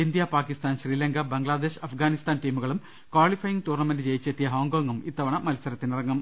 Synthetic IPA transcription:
ind̪jɐpaːkist̪aːnɕriːlɐŋɡɐbɐŋɡɭaːd̪e̞ːɕɐfɡaːnist̪aːntiːmuɣɐɭum | kwaːɭifɐjiŋɡtuːrnɐmendɖɨt͡ɕe̞jit͡ɕːet̪ːijɐɦoːŋɡoːŋɡumit̪ːɐʋɐɳɐmɐlsɐɾɐt̪ːinirɐŋːɐm

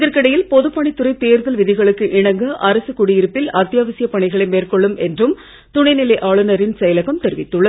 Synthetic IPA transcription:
ɪðɐɾkɐɽɐjɪlpɔðɯpːɐɳɪt̪ːɯɾɐɪt̪eːɾðɐlʋɪðɪɣɐɭɯkːɯʔɪɳɐŋɡɐʔɐɾɐsɯkʊɽɪjɪɾɯpːɪlɐt̪ːjaːʋɐsɪjɐpɐɳɪɣɐɭɐɪmeːrkɔɭːɯmʔɛndrɯm | t̪ʊɳɐɪnɪlɐɪʔaːɭɯnɐɾɪnsɛjɐlɐɣɐmt̪ɛɾɪʋɪt̪ːɯɭːɐ

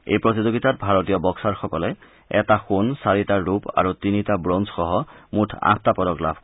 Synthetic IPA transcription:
ḛjpɹotizoɡitat̚bʱaɹotijɔbɔksaɹxɔkɔlɛ | ɛ̰taxonsaɹitaɹupa̰ɹutinitabɹɔnsxɔɦɔmutʰa̰stapɔdɔkla̰bʱk

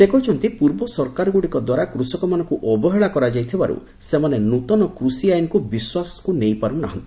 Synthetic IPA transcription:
sekɔɦit͡ʃʰɔnt̪ipuɾbɔsɔɾkaɾɔɡuɽikɔd̪waɾakɾusɔkɔmanɔ̃ŋkuʔɔbɔɦeɭakɔɾad͡ʒajt̪ʰibaɾṵ | semanenut̪ɔnɔkɾusiajnɔkubiswasɔ̥kunejpaɾuna̰ɦnt̪i̥

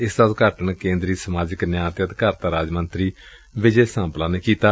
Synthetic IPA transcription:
ɪsaʊt̪kaːʈəɳkẽːnd̪ɾiːsəmaːd͡ʒɪknjãːət̪eəd̪kaːɾt̪aːɾaːd͡ʒmə̃nt̪ɾiː | ʋɪd͡ʒeːsãːmplãːneːkiːt̪aː

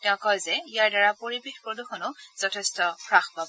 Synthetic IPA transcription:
tɛʊ̃kɔjzɛijaɹdaɹapoɹibexpɹoduxɔnʊz̥ɔtʰestɔpʰɹaxbʱab

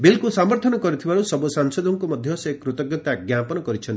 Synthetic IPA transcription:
bilkusamɔɾt̪ʰɔnɔkɔɾit̪ʰibaɾusɔbusaŋsɔd̪ʱɔŋkumɔd̪ʱjɔsekɾut̪ɔɡjɔt̪aɡjapɔnɔkɔɾit͡ʃʰɔn

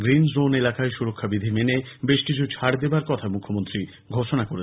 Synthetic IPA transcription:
ɡɾinsɾonelakaeʃuɾokʰːabid̪ʱimenebeʃʈid͡ʑʰut͡ɕʰaɽd̪ebaɾkɔt̪ʰamukʰːomont̪ɾi | ɡʱoʃonakoɾe

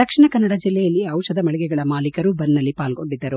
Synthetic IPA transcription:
ɐkʂiɳɐkɐnːɐɽɐd͡ʒilːɛjɐlːiɐwʃɐd̪ɐmɐɭɛɡɛɡɐɭɐmaːlikɐɾubɐnːɐlːipaːlɡo̞ɳɖid̪ːɐɾu

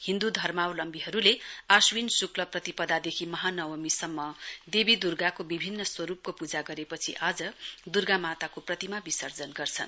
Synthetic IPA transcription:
hind̪ud̪ʱʌrmawlʌmbiɦʌɾuleaswinsukʰlʌprʌt̪ipʌd̪ad̪ekʰimʌɦanʌwʌmisʌmːʌd̪ebid̪urɡakobibʱinːʌswʌɾup̚kopud͡zaɡʌɾepʌt͡sʰḭʔad͡zʌd̪urɡamat̪akoprʌt̪imabisʌrd͡zʌnɡʌrt͡sʰʌ̰n

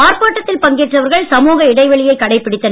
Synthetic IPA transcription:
aːɾpaːʈːɐt̪ːɪlpɐŋɡeːʈrɐʋɐɾɣɐɭsɐmuːɣɐɪɽɐɪʋɛɭɪjɐɪkːɐɽɐɪpːɪɽɪt̪ːɐn

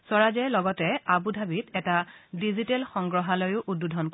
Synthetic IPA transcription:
sɔɹazɛlɔɡɔtɛabudʱabitɛtadizitɛlxɔŋɡɹɔɦalojʊʔududʱɔnk

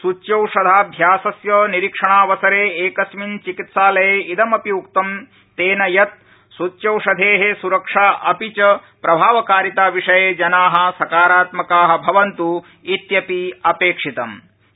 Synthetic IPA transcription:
sut͡ʃjɐwʂɐd̪ʱaːbʱjaːsɐsjɐniɾikʂɐɳaːʋɐsɐɾeːeːkɐsmint͡ʃikit̪saːlɐjeːid̪ɐmɐpiukt̪ɐm | t̪eːnɐjɐt̪̚ | sut͡ʃːjɐwʂɐd̪ʱeːɦesuɾɐkʂaːʔɐpit͡ʃɐ | pɾɐbʱaːʋɐkaːɾit̪aːʋiʂɐjeːd͡ʒɐnaːɦɐ̆sɐkaːɾaːt̪mɐkaːɦɐ̆bʱɐʋɐnt̪u | it̪jɐpiɐpeːkʂit̪ɐm

